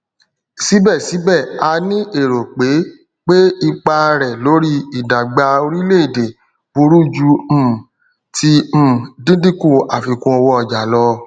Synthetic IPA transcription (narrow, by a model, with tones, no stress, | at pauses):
si˨˦bɛ˦˨si˨˦bɛ˦˨a˧nĩ˦ʔe˦˨ɾo˨k͡pe˨˦ | k͡pe˦i˦˧k͡pa˧ɾɛ˨lo˨˦ɾi˦i˦˨da˨ɡ͡ba˧o˧ɾi˦le˦i˦˨de˨ | bu˧ɾu˦d͡ʒũ˧˦˨ | tĩ˧˦˨dĩ˦dĩ˦kũ˦˨a˨fi˧˨kũ˧ɔ˧wɔ˧ɔ˨d͡ʒa˨lɔ˧